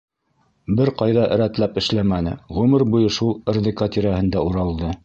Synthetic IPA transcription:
bɘɾqɑjðɑʔɘ̆ɾæt̪læpɘ̆ʃlæmænɘ̰ʁʉmɘɾbujɤʃulˠɘ̆ɾðikat̪iɾæhɘ̆nd̪æuɾɑlˠd̪ɤ

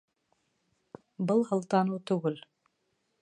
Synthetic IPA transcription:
bɤlˠhɤ̆lˠt̪ɑnɤt̪ʉɡɘl

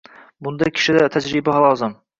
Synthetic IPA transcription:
bʊnd̪akʲʰɪ̥ʃɪd̪at̪ʰad͡ʒɾɪbaɦlˠɒzɪm

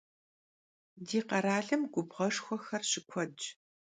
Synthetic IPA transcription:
diːqɐɾaːɮɐmɡʷʊbʁɐʂxʷɔxɐrɕɪkʷʰɔd͡ʒ

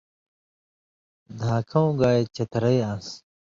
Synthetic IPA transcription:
d̪ʱaːkʰɐ̃w̃ɡaːet͡ɕɐt̪ɾɐjãːs

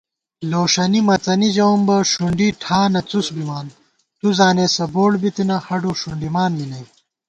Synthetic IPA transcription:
loːʂɐnimɐt͡sɐnid͡ʑɐwmbɐʂuɳɖiʈʰaːnɐt͡susbimaːn | t̪uzaːneːsɐboːɽbit̪inɐhɐɖoʂuɳɖimaːnlinɐj

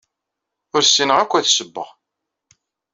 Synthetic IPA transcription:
ʊɾsinəʁækʷːæθsəbːə̰ʁ

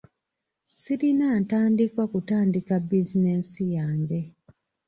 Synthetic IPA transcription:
siɾinaːntaːndikwakutaːndikabizinesijaːŋɡe̞

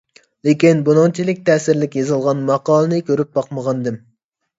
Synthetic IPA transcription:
lekʲinbunɨŋt͡ʃʰilɪk̚ʲt̪ʰɛːsɪɾlɪkʲjɑzɨlˠʁɑnmɑqɑːlˠɨnɨkʲʰøɾyp̚bɑqməʁɑnd̪ɨm

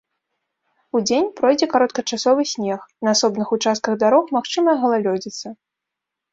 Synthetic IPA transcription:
ud͡zʲenʲpɾɔjd͡zʲɛkaɾɔt̪kɐt͡ʂasɔvɨsʲnʲɛxnɐasɔbnɨxut͡ʂast̪kɐɣd̪aɾɔxmaxt͡ʂɨmɐɣɐlˠalʲɔd͡zʲit̪sɐ

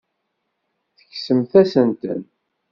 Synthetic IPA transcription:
θə̥çsəmθæsənt̪ə̰n

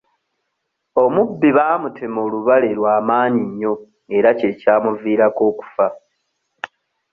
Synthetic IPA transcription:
o̞mubːiβaːmutʰe̞mo̞ːluβale̞lwaːmaːɲiɲːo̞ | e̞ɾace̞caːmuviːɾako̞ːku̥fa

